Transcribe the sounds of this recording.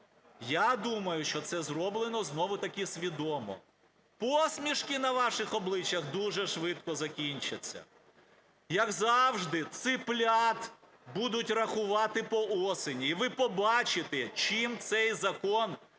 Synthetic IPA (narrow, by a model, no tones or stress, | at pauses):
jad̪umɐjʊʃt͡ʃɔt̪sɛzɾɔblˠenɔznɔʋʊt̪ɐkʲɪsʲʋʲid̪ɔmɔ̰ | pɔsʲmʲiʃkɪnɐʋɑʃɪxɔblˠɪt͡ʃʲjɐxd̪uʒɛʃʋɪt̪kɔzɐkʲinʲt͡ʃɐt͡sʲːɐ̰ | jɐɡzɑwʒd̪ɪt̪sɪplʲat̪ | bud̪ʊtʲrɐxʊʋɑt̪ɪpɔɔsenʲiːʋɪpɔbɑt͡ʃɪt̪ɛt͡ʃimt̪sɛjzɐkɔn